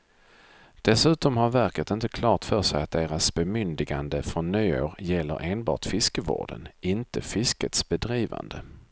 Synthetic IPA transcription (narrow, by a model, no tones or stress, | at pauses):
d̪̥ɛsʉ̟ːt̪ɔmhaɾvæɾkət̪ɪnt̪əkʰlɑːt̪fœːʂɛjat̪̚d̪eːɾasbɛmʏnd̪ɪɡand̪əfɾɔnːyːoːɾjɛlːə̰ɾʔeːnbɑ̰ːʈ̪fɪskəvo̰ːɖə̰nɪnt̪əfɪskət̪sbɛd̪ɾiːva̰nd̪ə